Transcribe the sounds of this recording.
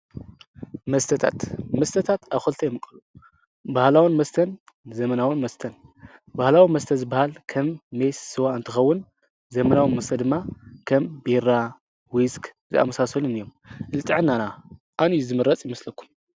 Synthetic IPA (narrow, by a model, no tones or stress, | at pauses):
mɐst̪ʰɐt̪ʰa̰t̪mɐst̪ʰɐt̪ʰat̪aβxɐlt̪ʰɐjmɨkʼɐlu | bahlawunmɐst̪ʰɐn | zɐmɐnawɨnmɐst̪ʰɐnbahlawimɐst̪ʰɐzɨbahalkʰɐmːesːɨwaɨnt̪ʰɨxɐwːʊn | zɐmɐnawinmɐst̪ʰɐd̪ɨmːakʰɐmbiɾa | wiskʰʼ | zɨ̰ʔa̰mɐsasɐlunɨjːom | ʔɨlɨt̪ʼɨʕɨnːana | ʔanjzɨmɨɾɐt͡sʼjɪmɐslɐkːu̥m